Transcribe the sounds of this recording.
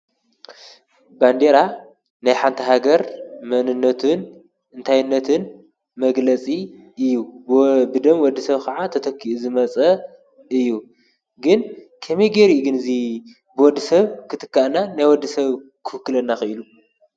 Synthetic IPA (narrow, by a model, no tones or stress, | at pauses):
band̪eɾa | najħant̪ʰɐɦaɡɐɾmɐnɨnːɐt̪ʰɨn | ɨnt̪ʰajɪnːɐt̪ʰɨn | mɐɡlɐt͡sʼi | ɨjːubɨd̪ɐmwɔd̪ːɨsɐβkʰɐʕat̪ʰɐt̪ʰɐkʰːiʔuzɨmɐt͡sʼɐ | ɨjːu | ɡɨnkʰɐmeɡeɾiɡɨnɨzi | bɨwɔd̪ːɨsɐβkʰɨt̪ʰɨ̥kːaʔnanajwɔd̪ːisɐβ | kʰɨ̥fɨkːɨlɐnːaxɨʔɨlu